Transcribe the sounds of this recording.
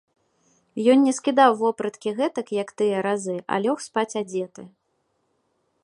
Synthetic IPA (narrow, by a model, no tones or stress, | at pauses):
jɔnnʲɛskʲid̪awvɔpɾɐt̪kʲiɣɛt̪ɐkjɐkt̪ɨjɐɾazɨʔa̰lʲɔxspat͡sʲad͡zʲɛt̪ɨ